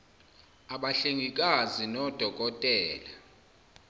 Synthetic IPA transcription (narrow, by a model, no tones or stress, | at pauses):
aɓaɬeŋik̬ʼazinɔd̥ʱɔk̬ʼɔtʼɛːla